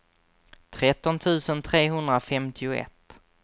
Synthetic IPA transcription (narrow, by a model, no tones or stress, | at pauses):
t̪ʰɾɛt̪ːɔnt̪ʰʉ̟ːsənt̪ʰɾeːɦɵnd̪ɾafɛmt̪ʰɪʊɛ̰t̪ː